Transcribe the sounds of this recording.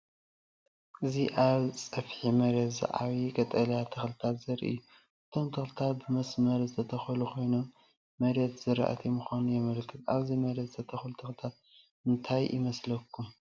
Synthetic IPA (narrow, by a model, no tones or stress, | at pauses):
ʔɨziʔaβt͡sʼɐfħimɐɾɐd̪zɨ̰ʕa̰βikʼɐt̪ʼɐlɐjat̪ʰɐxlɨt̪ʰat̪zɐɾḭʔɨ̰jːu | ʔɨt̪ʰo̞mt̪ʰɐxlɨt̪ʰat̪̚bɨmɐsmɐɾzɨt̪ʰɐt̪ʰɐxɐlukʰo̞jnom | mɐɾɐd̪zɨɾa̰ʔa̰t̪ʰimɨxʷanujɛmɐlkʰːɨt̪aβzimɐɾɐd̪zɨt̪ʰɐt̪ʰɐxɐlut̪ʰɐxlɨt̪ʰat̪̚ | ɨnt̪ʰajɪ̰mɐslɐkːum